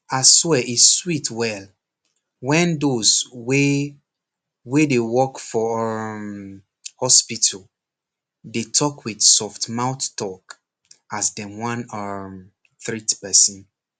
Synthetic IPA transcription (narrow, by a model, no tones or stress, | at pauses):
aswɛʔiswitʰwɛl | wɛ̃ndozwe | wedewɔkfɔɔm | hɔspitʰəl | detʰɔkʰwidsɔftmãʊttɔk | asdɛ̃wãnʌm | θɹitpɛsə̃n